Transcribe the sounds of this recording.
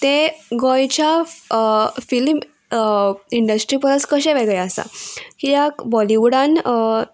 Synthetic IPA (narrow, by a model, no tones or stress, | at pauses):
t̪eɡɔjt͡ɕja | film | iɳɖəsʈɾipəɾəskəɕẽʋeɡjasa̰kijakbɔliʋɽãn